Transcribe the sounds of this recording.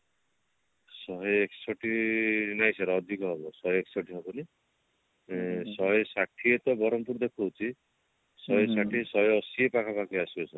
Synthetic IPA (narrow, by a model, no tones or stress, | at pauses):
sɔɦɔeksɔʈinajsaɾɔːd̪ʱikɔɦɔbɔsɔɦjeksɔʈʰiɦɔbɔni | sɔɦɔjsaʈʰiet̪ɔbɔɾɔmpuɾd̪ekʰuɦowt͡ʃʰi | sɔɦɔjsaʈʰisɔɦjɔsiepakʰapakiasiɔsɔ